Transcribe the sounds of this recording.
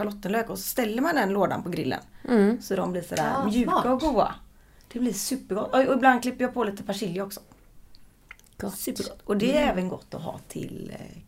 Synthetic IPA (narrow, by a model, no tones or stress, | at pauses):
alɔt̪ːənløːkɔsɔst̪ɛlːəɾmand̪ɛnloːd̪a̰npɔɡɾɪ̰lːə̰nsɔd̪ɔmblɪːsɔd̪æ̰ːɾmjʉ̟ːkːaɔɡuːa̰ | d̪̥ɛblɪɾsʉ̟ːpːəɾɡɔt̪ːɔɔɪbland̪klɪpːəɾjɑːpʰɔliːt̪əpʰaʂɪljəɔksɔ̥ | t̪ːɔd̪ɛæɾɛːvənɡɔ̰t̪ːɔɦɑ̰ːt̪ʰɪ̰l